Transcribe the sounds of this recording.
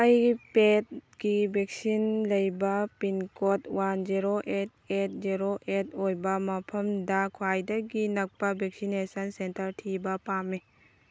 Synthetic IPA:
ɐjpet̚ɡibʱek̚sinlɐjbɐpinkotwand͡ʒiɾoʔet̚et̚ziɾoʔet̚ojbɐmɐpʰɐmdakʰwajdɐɡinɐk̚pɐbʱek̚sinesɐnsentɐɾtʰibɐpame

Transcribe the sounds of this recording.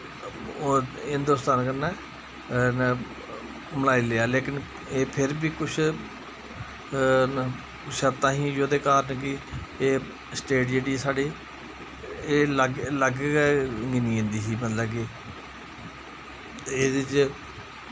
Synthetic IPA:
oɦɪnd̪ʊst̪aːnkənːɛː | məlaːiːleːaːleːkɪn | eːpʰɪɾbiːkʊt͡ʃʰ | ʃəɾt̪ãːɦĩːd͡ʒoːd̪eːkaːɾənkɪeː | sʈeːʈd͡ʒeːɖiːsaːɖiː | eːləɡləɡkɛɡɪniːẽːnd̪iːsiːmət̪ləbkɪ | eːdt͡ʃ

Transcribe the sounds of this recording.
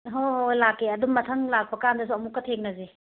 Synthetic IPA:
ɦohojlakːeɐdummɐtʰɐŋlak̚pɐkandɐs̬uɐmukːɐtʰeŋ̚nɐze

